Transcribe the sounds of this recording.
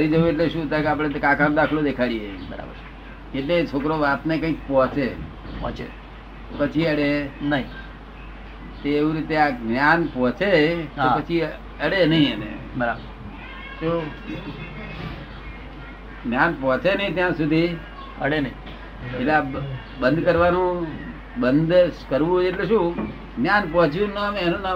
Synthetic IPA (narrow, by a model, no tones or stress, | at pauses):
əɾid͡ʒəʋeʈ̬leʃũːt̪akeaːp̬ɽ̃et̪kãkʰaːnd̪aːkʰlod̪ekʰaːɽiebəɾa̰bə | eʈlet͡ʃʰoːkɾoːʋaːt̪nekə̃ĩkpɔ̃t͡ʃe | ɔ̃t͡ʃe | opət͡ʃʰiəɽenəɦĩ | t̪eʋiɾit̪eakɡnjaːnpɔ̃t͡ʃet̪oapət͡ʃʰi | əɽenəɦĩənḛbəɾab | so | ɡnjanpɔ̃t͡ʃenəɦĩt̪jãsud̪ʱi | əɽenəĩ | elea | bə̃nd̪kəɾʋanũ | bənd̪kəɾʋũɦod͡ʒeʈleʃũ | ɡnjanpɔt͡ʃʰjũnəmenũna